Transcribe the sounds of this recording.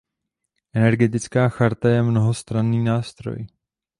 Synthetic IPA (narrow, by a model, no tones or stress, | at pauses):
ʔɛnɛɾɡɛt̪ɪt͡skaːxaɾt̪ajɛmno̞ɦost̪ɾanːiːnaːst̪ɾo̰j